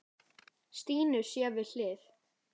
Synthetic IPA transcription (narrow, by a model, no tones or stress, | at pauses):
st̪iːnʏ̥sjɛːvɪðl̥ɪːθ